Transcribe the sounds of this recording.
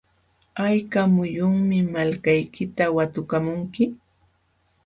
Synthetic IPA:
ajkamʊjʊŋmɪmalkajkɪt̪awat̪ʊkamʊŋkɪ

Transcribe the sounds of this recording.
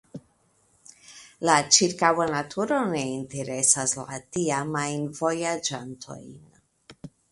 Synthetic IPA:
lat͡ʃiɾkawanatʰuɾo̞ne̞inte̞ɾe̞sasla̰tiamajnvo̞jad͡ʒantʰo̞̰jn

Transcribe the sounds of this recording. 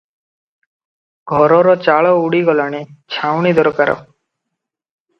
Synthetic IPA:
ɡʱɔɾɔɾɔt͡ʃaɭɔuɽiɡɔlaɽ̃it͡ʃʰawɽ̃id̪ɔɾkaɾɔ̰

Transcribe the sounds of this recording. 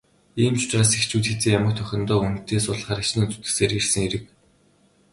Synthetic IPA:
iːmt͡ɕ̪ʊ̥t͡ɕraːsekt͡ɕuːt̪xet͡seːjamə̆k̚t̪ʰœxʲɞ̆nt̪ɔːunt̪eːsʊɮ̆χaːɾat͡ɕniːnt͡su̥t̪ɘ̥̆seːɾirsɘ̆ŋeɾɘ̆k̚

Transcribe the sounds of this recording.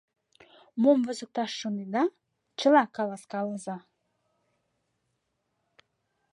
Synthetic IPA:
momvəzə̆k̚t̪ɑʃːunid̪ɑ | t͡ʃəlˠɑkɑlˠɑskɑlˠəzɑ

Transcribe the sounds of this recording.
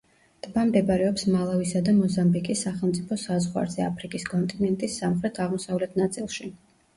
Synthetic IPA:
d̪̥bamd̪ɛbaɾɛɔpsmalˠavisad̪amɔzambikʼisaχɛlˠmt̪sʼipʰɔsazʁwa̰ɾzɛapʰɾikʼiskʼɔnt̪ʼinɛnt̪ʼisːamχɾɛt̪ʰaʁmɔsavlɛt̪ʰnat̪sʼilˠʃi

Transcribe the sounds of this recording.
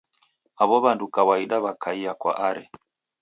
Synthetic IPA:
aβɔβandukawaiɗaβakʰaiakwa̰ʔaɾɛ

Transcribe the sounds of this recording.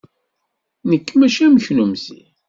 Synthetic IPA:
nəkːmæʃæməçnumsḭ

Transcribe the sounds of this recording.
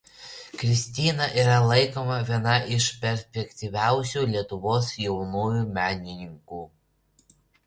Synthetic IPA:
kɾʲɪsʲt̪ʲɪːnɐʔiːɾɐlˠɐɪkoːmɐʋʲiɛnɐʔɪʃpʲɛɾʲsʲpʲɛkʲt̪ʲiʋʲæˑʊsʲuːlʲiɛt̪ʊʋoːsjɛʊnuːjuːmʲæːnʲɪnʲɪŋkuː

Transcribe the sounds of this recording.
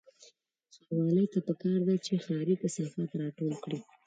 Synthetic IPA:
xawɑləjt̪apəkɑɾd̪at͡ʃexɑɾit̪asafat̪ɾɑʈolkɽi

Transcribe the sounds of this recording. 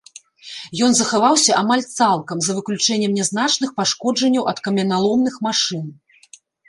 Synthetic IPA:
jɔnzɐxavawsʲɐʔamalʲt̪salˠkɐmzɐvɨklʲut͡ʂɛnʲːɛmnʲɛzn̪at͡ʂnɨxpaʂkɔd͡ʐɐnʲːɐwʔɐt̪kɐmʲɐnalˠɔmnɨxmaʂɨn

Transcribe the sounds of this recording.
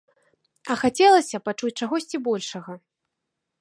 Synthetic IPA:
ɐxat͡sʲɛlˠɐsʲɐpat͡ʂut͡sʲt͡ʂaɣɔsʲt͡sʲibɔlʲʂɐɣɐ

